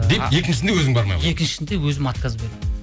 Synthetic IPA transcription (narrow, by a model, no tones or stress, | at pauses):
d̪e̞e̞kʲɪnʃɪsnd̪ewɵzɪŋbɑɾmɑ̰jme̞kʲɪnʃɪ̥snd̪ewɵzɪmɑt̪qɑzbeɾe